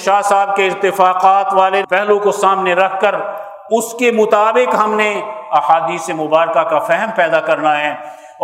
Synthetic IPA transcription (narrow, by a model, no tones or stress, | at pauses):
ʃaːsaːb̚keɪɾt̪ɪfaːqaːt̪ʋaːlepɛɦlõkosaːmneɾɐkʰːɐɾ | ʊskemʊt̪aːbɪqɦɐmneɐhaːd̪iːsemʊbaːɾkakafɛɦəmpɛːd̪akɐɾnaɦɛː